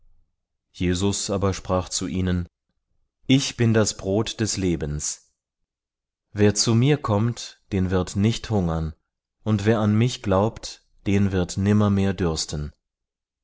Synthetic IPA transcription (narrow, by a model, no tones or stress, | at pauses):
jeːzʊsʔaːbɐʃpʁ̥aːχt͡suʔiːnən | ʔɪçb̥ɪndasb̥ʁoːtd̥ɛsleːbəns | veːɐt͡sumiːɐkʰɔmtd̥eːnvɪɐtnɪçthʊŋɐn | ʔʊntv̥eːɐanmɪçɡ̥laʊpt | d̥eːnvɪɐtnɪmɐmeːɐdʏɐstən